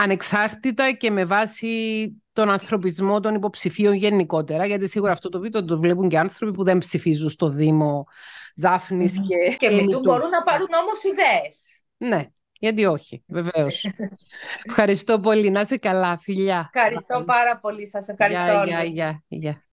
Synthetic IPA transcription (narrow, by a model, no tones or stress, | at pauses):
ɐne̞ksɐɾt̪it̪ɐce̞me̞vɐsit̪o̞nɐnθɾo̞pizmo̞t̪o̞nipo̞psifio̞ɲʝe̞niko̞t̪e̞ɾɐʝɐt̪isiɣuɾɐːft̪ot̪o̞vit̪ot̪t̪ovlepuɲɟeɐnθɾo̞pipuðe̞mpsifizunst̪o̞ðimo̞ðɐfnisceceiiuboɾunːɐpɐɾuno̞mosiðees | ne̞ | ʝɐt̪̬io̞çive̞veos | efxɐɾist̪o̞po̞linɐsekɐlɐfiʎːɐxɐɾist̪opɐɾɐpolisɐsefxɐɾist̪ooɐʝɐʝɐ